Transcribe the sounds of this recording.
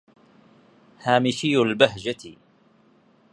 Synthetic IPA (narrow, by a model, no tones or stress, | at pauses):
haːmɪʃɪjːalbaɦd͡ʒat̪